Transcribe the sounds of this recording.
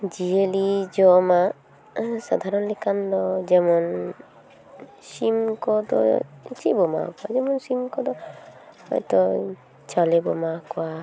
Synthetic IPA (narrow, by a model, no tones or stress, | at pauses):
d͡ʒielid͡ʒɔma | sa̰d̪ʱaɾɔnlikʰand̪ɔd͡ʒɛmɔn | simkɔd̪ɔ̰t͡ʃibɔma̰kɔa̰d͡ʒɛmɔnsimkɔd̪ɔhɔ̰jt̪ɔ | t͡ʃɔlebɔmakɔwa